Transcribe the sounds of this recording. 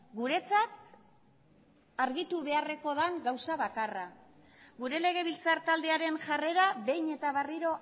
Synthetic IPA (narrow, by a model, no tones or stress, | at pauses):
ɡuɾe̞t͡sat̪̚ | aɾɣit̪uβe̞are̞ko̞ðaŋɡawsaβakara | ɣuɾe̞le̞ɣ̞e̞βilt͡saɾt̪ald̪e̞aɾe̞nʝare̞ɾaβe̞jne̞t̪aβariɾo̞